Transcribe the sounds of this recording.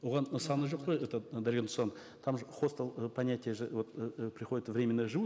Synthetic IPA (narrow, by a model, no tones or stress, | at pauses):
wo̞ʁɑnsɑnɨʒo̞q̚pojɛt̪əd̪ɐɾʲɡʲent̪ʊsɑn | t̪ʰɑmʒχo̞st̪əlˠəpɐnʲːatʲɪjəʒɨvo̞t̪pɾʲɪχo̞dʲɪt̪vɾʲe̞mʲɪnːəjəʒɨu